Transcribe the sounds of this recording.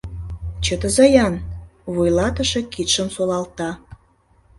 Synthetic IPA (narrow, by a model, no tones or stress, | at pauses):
t͡ɕət̪əzɑjɑnβujlɑt̪əʃekit̪ʃəmsolɑlt̪ɑ